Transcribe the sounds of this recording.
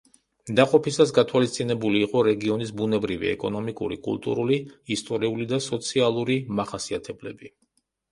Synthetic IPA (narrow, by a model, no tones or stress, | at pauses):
d̪aqʼɔpʰisas̬ɡat̪ʰwalist̪sʼinɛbuliːqʼɔɾɛɡiɔnisbunɛbɾivḭɛ̰kʼɔnɔmikʼṵɾḭkʼṵlˠt̪ʼṵɾuliist̪ʼɔɾiulid̪asɔt̪sʰialˠuɾimaχasiat̪ʰɛblɛbi